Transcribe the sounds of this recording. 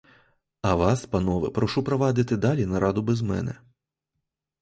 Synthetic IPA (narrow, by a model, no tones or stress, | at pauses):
ɐʋɑspɐnɔʋɪ̰pɾɔʃupɾɔʋɑd̪ɪt̪ɪd̪ɑlʲinɐɾʔɑd̪ʊbɛzmɛ̰nɛ̰